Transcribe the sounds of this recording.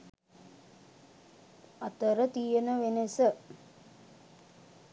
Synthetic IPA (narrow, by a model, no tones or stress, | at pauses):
at̪əɾət̪ijənəʋenesə